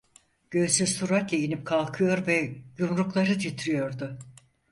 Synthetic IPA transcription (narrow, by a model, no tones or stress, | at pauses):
ɟ̥ø̞jsyzt̪ʰuɾakejinip̚kʰalˠkʰɯjo̞ɾvɛjumɾuklˠaɾɯd͡ʒ̪ʰit̪ʰɾijo̞ɾd̪ʊ